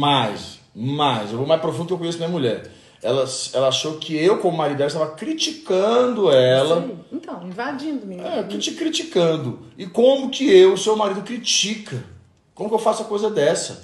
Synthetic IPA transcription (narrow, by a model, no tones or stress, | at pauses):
majs | majzewvomajspɾofũd̪ʊkewkõjes̬ʊnɐmĩɐmuʎɛ̰ɾ | ɛlɐsɛlɐaʃowkɪewkõmʊmaɾid̪ɛest̪avɐkɾit͡ʃikɐ̃d̪ʊɛlɐẽt̪ɐ̃w̃ĩvad͡ʒĩnd̪ʊmiɛkit͡ʃikɾit͡ʃikɐ̃nd̪ʊɪkõmʊkɪewʊsewmaɾid̪ʊkɾit͡ʃikɐ | kõmʊkɪewfasʊɐkojzɐd̪ɛsɐ